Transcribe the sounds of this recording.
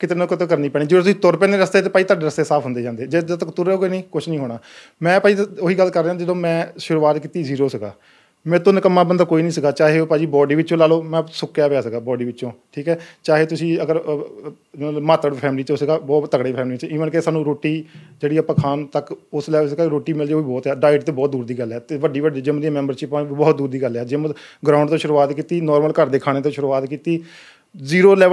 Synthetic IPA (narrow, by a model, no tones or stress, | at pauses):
kɪt̪eːnõːkət̪ːkəɾnĩːpɛːɳiːd͡ʒəːoːt̪ʊsĩːt̪oɾpɛ̃ːnẽːɾəst̪eːt̪eːpaːiːt̪aːɖeːɾəst̪eːsaːpʰɦʊ̃nd̪eːd͡ʒãːnd̪eːd͡ʒeːd̪at̪əkt̪ʊɾeːoːɡeːnĩːkʊt͡ʃʰnəĩːɦoːɽ̃aː | mɛ̃ːpaːd͡ʒiːoːɦiːɡəlːkəɾːeːãːd͡ʒəd̪õːmɛ̃ːʃʊɾuːaːt̪kiːt̪iːziːɾoːsəɡa̰ː | mɛ̃ːt̪onkəmːãːbənd̪aːkoːiːnĩːsəɡaːt͡ʃaːɦeːopaːd͡ʒiːbɔːɖiːʋɪt͡ʃːt͡ʃõːlaːloːmɛ̃ːsʊkːjaːpejaːsəɡaːbɔːɖiːʋɪt͡ʃːt͡ʃõːʈʰiːkɦɛːt͡ʃaːɦeːt̪ʊsĩːəɡəɾ | maːt̪əɽpʰɛːmliːt͡ʃosɪɡaːbɔːt̪ːəkɽeːpʰɛːmliːt͡ʃɪʋənkesaːnũːɾoːʈːiːd͡ʒeːɽiːaːpãːkʰaːnt̪əkʊslɛːsɪɡaːɾoːʈiːmɪld͡ʒeːoːʋiːbɔːt̪ɦɛːɖaːɪʈt̪eːbɔːt̪̚d̪uːɾd̪iːɡəlɛːt̪eːʋəɖiːʋəɖiːd͡ʒɪmd̪iãːmɛːmbəɾt͡ʃɪpãːibɔːt̪̚d̪uːɾd̪iːɡəlɛːd͡ʒɪmɡɾãːʊɳɖt̪õːʃʊɾuːaːt̪kiːt̪iːnɔːɾməlkəɾd̪eːkʰaːɽ̃eːt̪õːʃʊɾuːaːt̪kiːt̪iː | ziːɾoːlɛː